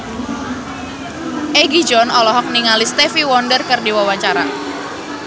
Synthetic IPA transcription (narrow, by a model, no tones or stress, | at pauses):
ʔeɡid͡ʒɔnɔlɔɦɔk̚niŋalist̪ɛfiwɔndərkɨrdiwawaɲt͡ʃaɾa̰